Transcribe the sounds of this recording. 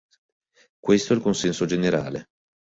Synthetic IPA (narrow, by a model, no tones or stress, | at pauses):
kwest̪oɛlkonsɛnsod͡ʒeneɾaːle